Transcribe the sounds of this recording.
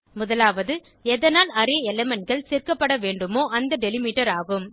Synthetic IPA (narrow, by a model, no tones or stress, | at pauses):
mʊðɐlaːʋɐðɯ | ɛðɐnaːlɐɾeːɛlɛmɐnɣɐɭsɛːrkɐpːɐɽɐʋeːɳɖɯmoːʔɐnd̪ɐɖɛlɪmiːʈːɐɾaːɣɯm